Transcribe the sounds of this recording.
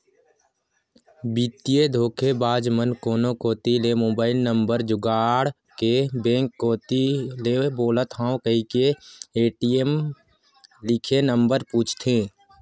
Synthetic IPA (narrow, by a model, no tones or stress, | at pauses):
bit̪ijed̪ʱoːkʰebaːd͡ʒmənkoːnõkoːt̪ilemoːbaːɪlnə̃mbəɾd͡ʒʊɡaːɽ | kebẽːŋkːoːt̪ileboːlət̪ɦãːõkəɦikeeːʈiem | lɪkʰenəmbəɾpuːt͡ʃʰt̪ʰẽː